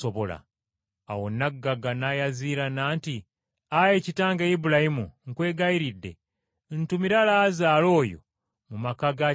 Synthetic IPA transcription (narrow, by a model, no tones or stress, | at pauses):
oβola̰ː | wonːaɡːaɡanajaziːɾanaːnti | ajecitaːŋɡeibulahimuŋkwe̞ːɡaiɾidːe̞̰ | n̩tumiɾalazaːlo̞ːjo̞̰ | mumakaɡa